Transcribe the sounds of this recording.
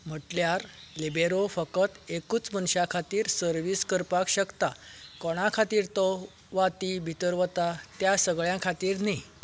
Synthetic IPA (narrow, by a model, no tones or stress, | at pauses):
m̤əʈljaɾlebeɾofəkət̪ekuːt͡smənɕakʰat̪iːɾsəɾʋiːskəɾpakɕəkt̪akɔɽ̃akʰat̪iːɾt̪ɔ | ʋat̪ibʱit̪əɾʋət̪at̪jasəɡɭjãkʰat̪iːɾni